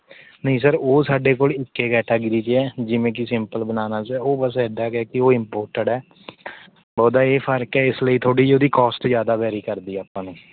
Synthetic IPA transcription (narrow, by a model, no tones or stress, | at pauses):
nəĩs̬əɾoːsaːɖeːk̬oːlɪkːeːkɛːʈaːɡɪɾiːt͡ʃeɛːd͡ʒɪʋẽːk̬ɪsɪmpəlbənaːnaːt͡ʃɛːoːbəsɛɖaːkɛːkɪoːɪmpoːɾʈəɖɛː | bɔːd̪aːeːpʰəɾkɛːɪsləiːt̪ʰoːɽiːoːd̪iːkɔːsʈzjaːd̪aːʋɛːɾiːkəɾd̪iːaːpãːnũː